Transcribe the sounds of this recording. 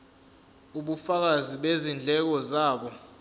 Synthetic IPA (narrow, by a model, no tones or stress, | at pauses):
uɓufak̬aziɓezind͡ɮʱɛk̬ɔzaːɓɔ